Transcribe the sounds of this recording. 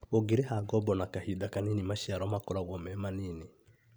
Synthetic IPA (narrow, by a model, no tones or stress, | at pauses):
oɡeɾehaɡɔbɔnakahidakaninimaʃiaɾɔmakɔɾaɣɔmɛmanine